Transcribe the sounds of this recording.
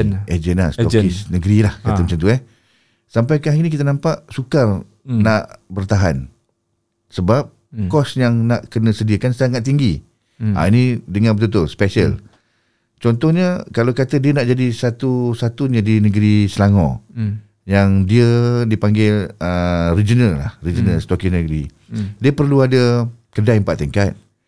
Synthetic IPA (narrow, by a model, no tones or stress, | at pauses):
ed͡ʒəna̰sɔkisnəɡɾilahkaəmat͡ʃamt̪uɛ | sampajkaɦinik̬it̪̬ənãmpaʔsukar | naʔbərt̪aɦa̰n | səbap̚ | kɔsjaŋnaʔkənə̃sədiəkansaŋat̪̚ːiŋɡi | a̰inidəŋanbət̪ut̪uspɛsə̰l | t͡ʃɔnt̪ɔhɲəkalawkat̪ədiənaʔd͡ʒadisat̪usat̪uadinəɡəɾisəlaŋɔ̰̃ | jaŋdiədipaŋɡɪlərid͡ʒənəlːahrid͡ʒənalst̪ɔkinəɡəɾḭ | diəpərluadəkədaimpaʔt̪əŋkat̪̚